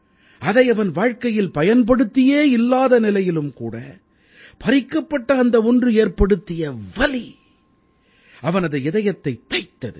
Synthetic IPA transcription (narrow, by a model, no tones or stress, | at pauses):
ɐðɐɪɐʋɐnʋaːɻkɐjɪlpɐjɐnpɐɽɯt̪ːɪjeːɪlːaːðɐnɪlɐjɪlɯmkuːɽɐ̰ | pɐɾɪkːɐpːɐʈːɐːnd̪ɐɔndrɯeːrpɐɽɯt̪ːɪjɐʋɐli | ɐʋɐnɐðɐɪðɐjɐt̪ːɐɪt̪ːɐɪt̪ːɐðɯ̰